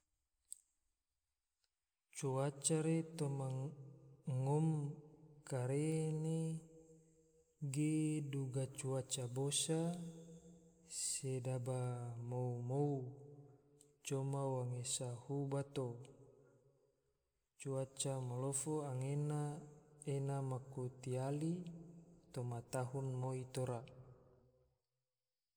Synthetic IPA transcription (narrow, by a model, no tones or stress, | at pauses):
t͡ʃuat͡ʃaɾet̪oma | ŋɔm | kaɾene | ɡeduɡat͡ʃuat͡ʃabosa | sedabamoumou | t͡ʃomawaŋesahubat̪o | t͡ʃuat͡ʃamolofoaŋenaenamakut̪iali | t̪omat̪aɦunmoit̪oɾa